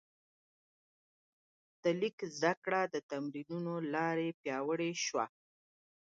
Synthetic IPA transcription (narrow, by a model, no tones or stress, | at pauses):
d̪̥əlikzd̪akɽad̪ət̪amɾinunolɑɾepjɑwəɽeʃwa̰